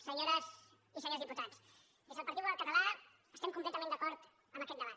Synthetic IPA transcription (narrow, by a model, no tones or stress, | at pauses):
səɲoɾəz | isəɲozðiput̪at͡s | d̪ezðəlpəɾt̪it̪wðəlˠkət̪əla | əst̪ɛmkumplɛt̪əmẽnd̪əkɔɾt̪ | əmbəkɛt̪d̪əβat̪